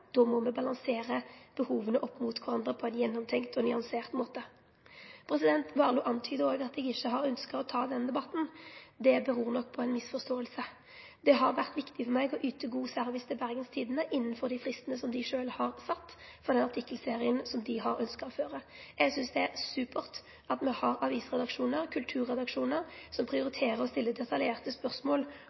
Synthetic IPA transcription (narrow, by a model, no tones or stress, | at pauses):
d̪̥ɔmɔmɛbɑlɑŋseːɾəb̥əhuːʋənəʔɔpːmut̪kʰʊɾʁɑnd̪ɾəpʰɔæɪnjɛnːɔmt̪ʰɛŋkt̪ɔnʏɑnseːʁt̪moːt̪ə | pʰɾɛsɪd̪ɛnt̪ʋɑːʁluːʔɑnt̪ʰyːd̪əoːɡɑt̪ɛɡɪçːəɦɑɾœnskəʁɔt̪ʰɑːd̪ɛnd̪ɛbɑt̪n̩d̪ɛbəɾuːʁnɔkːpʰɔɛɪnmɪsfɔʁst̪oːəlsə | d̪ɛɦɑɾʋæʁt̪ʋɪkt̪ɪfɔmɛɪɡɔʔyːt̪əɡuːsæɾʋɪst̪ʰɪlbæɾɡənst̪ʰiːd̪ənəʔɪnːənfɔɾd̪ɪfʁɪst̪ənəsɔmd̪ɪʂøːlhɑɾsɑt̪ːfɾɔd̪ɛnɑʁt̪ʰɪkːəlseːɾɪənsɔmd̪ɪɦɑɾœnskəɔføːɾə | ɛɡsʏnsd̪ɛæʁsʉːpʰəʁt̪ | ɑt̪mɛhɑɾɑʋiːsʁɛd̪ɑkʂuːnəɾkʰʉlt̪ʰʉːɾːɛd̪ɑkʂuːnəɾsɔmpʰɾɪʊɾɪt̪ʰeːɾəɾɔst̪ɪlːəd̪ɛt̪ɑljeːʁt̪əspœʁsmoːl